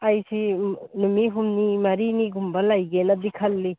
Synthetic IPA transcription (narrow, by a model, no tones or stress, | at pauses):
ajsinumiɦumnimɐɾiniɡumbɐlajɡenɐd̪ikʰɐlːi